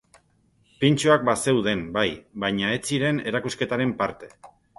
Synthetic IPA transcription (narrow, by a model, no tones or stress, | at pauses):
pint͡ʃuak̚base̞wðe̞mbajbajɲae̞t͡siɾe̞ne̞ɾakuske̞t̪aɾe̞mpaɾt̪e̞̥